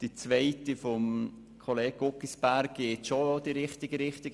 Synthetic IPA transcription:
d̥it͡sʋɛɪtifɔm | kʰoleːɡɡokːisb̥æɾɡɪːtʃood̥iɾɪχtɪɡəɾɪχtɪɡ

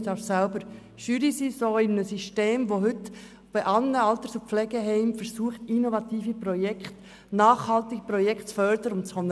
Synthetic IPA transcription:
d̥ɑɾfsælbəɾ | ʃyːɾisiːsoːɪnnəsiʃteːmʋoɦʏt | b̥ɛʔɑlnəɑlt̪əsup͡flɛɡɛɦɛɪmfəɾsuəχtinovɑt̪iːfipɾɔjɛkχt | nɑːχhɑlt̪iɡəpɾɔjɛktt͡sfœɾdəɾəʊntt͡sχœn

